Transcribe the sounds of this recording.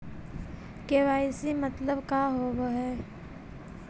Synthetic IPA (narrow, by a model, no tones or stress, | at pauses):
keʋaːɪsimɐt̪ləbkaɦoːʋɦɛː